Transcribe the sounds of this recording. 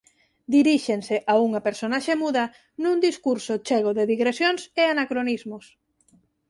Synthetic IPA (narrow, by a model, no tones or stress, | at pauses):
d̪iɾiʃeŋseʔauŋɐpeɾsonaʃemuðɐ | nũnd̪iskuɾsʊt͡ʃeɣ̞oðeðiɣɾesjonseanakɾonizmʊs